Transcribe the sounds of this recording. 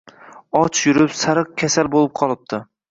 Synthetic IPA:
ɒt͡ʃʰjʊɾɪpsaɾɨq̚kʲʰasalbolˠɪp̚qʰɒlˠɪp̚t̪ʰɪ

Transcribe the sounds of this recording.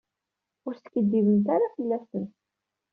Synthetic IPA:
ʊɾsə̥kːəd̪ːivənt̪aɾafəlːæsən

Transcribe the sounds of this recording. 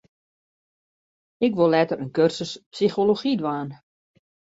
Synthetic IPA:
ɪkʋolɛtəɾənkørsəspsixoloxidʋaːn

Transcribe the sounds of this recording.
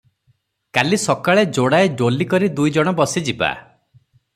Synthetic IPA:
kalisɔkaɭed͡ʒoɽaeɖolikɔɾid̪ujd͡ʒɔɽ̃ɔbɔsid͡ʒiba̰

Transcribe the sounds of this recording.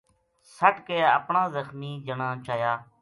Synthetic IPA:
səʈkeːə̰pɳãːzəxmiːd͡ʒəɳãːt͡ʃaːjaː

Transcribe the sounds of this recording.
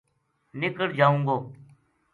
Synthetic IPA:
nɪkəɽd͡ʒaːũːŋɡoː

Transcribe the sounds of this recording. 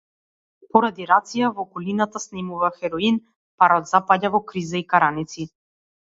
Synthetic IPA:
pɔɾad̪iɾat̪sijavɔkɔlinat̪asnɛmuvaxɛɾɔin | paɾɔt̪zapaɟavɔkɾizaikaɾanit̪si

